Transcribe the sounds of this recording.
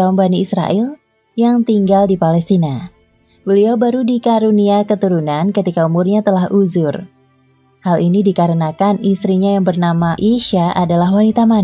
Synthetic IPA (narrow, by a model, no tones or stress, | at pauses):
aumbaniisɾa̰ʔɛl | jaŋt̪iŋɡaldipalɛst̪ina | bəliobaɾudikaɾuniakət̪uɾunankət̪ikaumʊrɲat̪əlahʔuzʊr | halinidikaɾənakanist̪ɾiɲajaŋbərnamaʔiʃaʔadalaɦwanit̪aman